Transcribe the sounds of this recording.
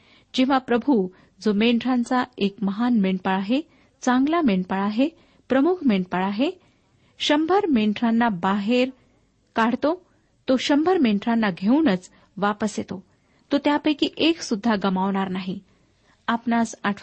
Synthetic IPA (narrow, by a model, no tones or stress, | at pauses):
d͡ʑĩʋ̤apɾəbʱu | d͡zomeɳʈɾant͡saekməɦanmeɳpaɭaɦe | t͡sãŋɡlameɳʈpaɭaɦe | pɾəmukʰmeɳʈpaɭaɦe | ɕəmbʱəɾmeɳʈɾanːabaɦeɾ | kaɽ̤t̪o | t̪oɕəmbʱəɾmeɳɖɾanːaɡʱeunət͡s | ʋapəsjet̪o | t̪ot̪japəjkiʔeksud̪ʱːaɡəmaʋɳ̃aɾnaɦi | apnasaʈʰ